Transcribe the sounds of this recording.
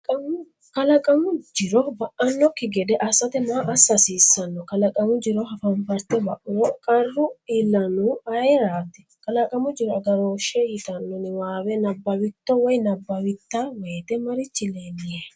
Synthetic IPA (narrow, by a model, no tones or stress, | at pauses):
kʼɐmʊ | kɐlɐkʼɐmʊd͡ʒɪɾɔbɐʔɐnːɔkːɪɡɛd̪ɛʔɐsɐt̪ɛmaːʔɐsɐsiːsːɐnːɔkɐlɐkʼɐmʊd͡ʒɪɾɔɦɐfɐmpɐɾt̪ɛbɐʔʊɾɔkʼɐrːʊɪlːɐnuɐɛɾaːt̪ɛ̥ | kɐlɐkʼɐmʊd͡ʒɪɾɔɐɡɐɾoːʃɛjɪt̪ɐnːɔnɪwaːwɛnɐbːɐwɪt̪ːɔwɔjnɐbːɐwɪt̪ːaːweːt̪ɛmɐɾɪt͡ʃːɪleːnɪje